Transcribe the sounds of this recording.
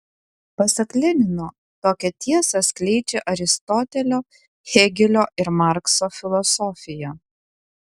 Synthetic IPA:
pɐsʲɐklʲɪnʲɪnoː | t̪oːkʲɛt̪ʲiɛsɐsʲklʲɛɪd͡ʒʲeʔɐɾʲɪst̪ɔt̪ʲɛlʲoː | xʲɛɡʲɪlʲoːʔɪɾmɑˑɾksoːfʲɪlˠɔsɔfʲɪjoː

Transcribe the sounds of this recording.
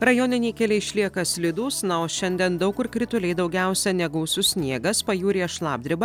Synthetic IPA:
ɾɐjoːnʲɪnʲɛːkʲɛlʲɛɪɪʃʲlʲiɛkɐsʲlʲɪd̪uːsnɐoːʃʲɛnʲd̪ʲɛnd̪ɐʊkɪɾkɾʲɪt̪ʊlʲɛɪd̪ɒʊɡʲæˑʊsʲɛnʲɛɡʊʊsʊsʲnʲiɛɡɐspɐjuːɾʲiʃlˠɑ̰ːb̚ʲd̪ʲɾʲɪbɐ

